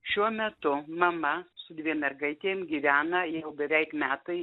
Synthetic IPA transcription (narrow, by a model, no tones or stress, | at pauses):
ʃʲuɔmʲɛt̪ʊmɐmɐsʊd̪ʲʋʲiɛmʲɛrɡɐɪt̪ʲeːmɡʲiːʋʲæːnɐjɛʊbʲɛʋʲɛɪkmʲæːt̪ɐɪ